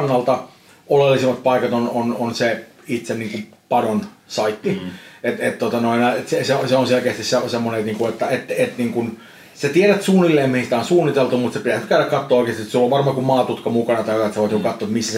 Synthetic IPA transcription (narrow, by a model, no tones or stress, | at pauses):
nːɑlt̪ɑ | olelːisimːɑt̪̚pɑikɑt̪onononse | it̪senniːŋkum | pɑdonsɑit̪ːiet̪et̪t̪ot̪ɑnoinɑet̪seseoseonselkeːst̪issesemːonet̪niːŋkuet̪ːæet̪ːet̪niːŋkun | set̪ieɾæt̪suːnilːeːmmihisit̪æonsuːnːit̪elt̪umut̪sepit̪æsnyt̪kæyɾækkɑt̪ːoːoˑikest̪it̪sulːoʋʋɑrmɑkummɑːt̪ut̪kɑmukɑnɑt̪ɑiɑt̪sɑoʋɑt̪nikukɑt̪ːoet̪misːæs